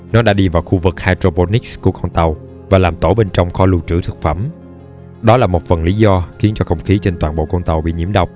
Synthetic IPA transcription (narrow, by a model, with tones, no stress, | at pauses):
nɔ˨˦ɗa̰ː˧˥ɗi˧vaː˨˩wxu˧vɨ˨˩k̚haː˧jtɾo˧po˧ni˦˥sku˧˩əkɔ˧wnt̪ə˨˩w | vaː˨˩laː˨˩mt̪o˧˩ɓe˧nt͡ɕɔ˧wŋ͡mxɔ˧lu˨˩t͡ɕɨ̰˧˩t̪ʰɨ˨˩k̚fə˧˩m | ɗɔ˨˦laː˨˩mo˨˩t̚fə˨˩nli˨˦zɔ˧xi˨˦ənt͡ɕɔ˧xə˧wŋ͡mxi˨˦t͡ɕe˧nt̪waː˨˩nɓo̰˧˨kɔ˧wŋ͡mt̪ə˨˩wɓḭ˧˨ɲi˧˩əmɗə˨˩wk͡p̚